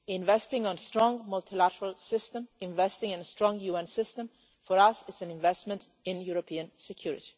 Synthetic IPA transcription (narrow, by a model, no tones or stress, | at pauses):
ɪ̃ɱvɛstɪ̃ŋə̃nstɹ̥ɔ̃ŋmʌltʰilæɾəɹəlˠsɪstə̃mɪ̃ɱvɛstɪ̃ŋɨ̃nəstɹ̥ɔ̃ŋjuɛ̃nsɪstə̃m | fɔɹʌsɪzæ̃nɪ̃ɱvɛstmə̃nt | ɪ̃njuɹəpʰĩə̃nsɨkʰj̥uɹɪ̰ti̥